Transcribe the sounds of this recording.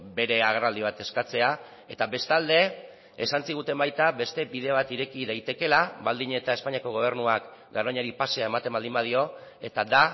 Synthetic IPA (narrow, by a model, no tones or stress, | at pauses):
be̞ɾe̞aɣrald̪iβ̞at̪e̞skat͡se̞a | e̞t̪aβe̞st̪ald̪e̞̰ː | sansiɣ̞ut̪e̞mbajt̪aβe̞st̪e̞biðe̞βat̪iɾe̞kiðajt̪e̞ke̞laβald̪iɲe̞t̪ae̞spaɲiako̞ɣ̞o̞β̞e̞ɾnuak | ɡaɾoɲaɾipaseae̞mat̪e̞mbald̪imbað̞io̞e̞t̪ad̪a